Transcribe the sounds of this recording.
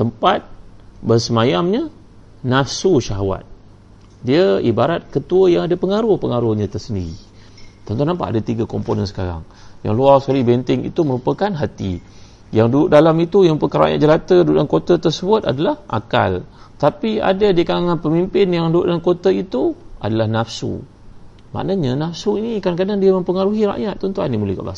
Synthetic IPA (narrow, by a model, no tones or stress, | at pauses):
t̪əmpat̪̚bərsəmajamɲa | nasuʃaɦawa̰t̪̚ | diəibaɾat̪̚kət̪uəjaŋadapəŋaɾuhpəŋaɾuhɲãt̪ərsəndiɾḭ | t̪ɔnt̪unampa̰ʔadat̪iɡakomponənsə̥kaɾa̰ŋ | ja̰ŋluarsəkalibɛnt̪ɪŋḭt̪uməɾupəkanɦat̪ḭ | jaŋduuʔdalamit̪ujampəkaɾa̰ʔɲa̰ʔ̪̚d͡ʒəlat̪əduuʔdankot̪at̪ərsəbʊt̪a̰dalahʔa̰ka̰lt̪apia̰dadiakalaŋanpəmimpɪnjaŋduṵʔdaankot̪ait̪uʔa̰dalahnafsṵ | ma̰ʔnaɲanafsuinikaɾaŋkadaŋdiamə̃mpəŋaɾuɦiɾa̰ʔɲat̪̚ːɔnt̪uanimuləhka̰ʔba̰s